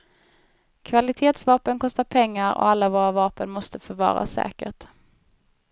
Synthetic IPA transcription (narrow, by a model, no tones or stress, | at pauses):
kʰvalɪt̪ʰeːt̪svɑːpənkʰɔst̪aɾpʰɛŋːaɾɔ̰alːavoːɾavɑːpənmɔst̪əfœɾvɑ̰ːɾa̰sɛ̰ːkəʈ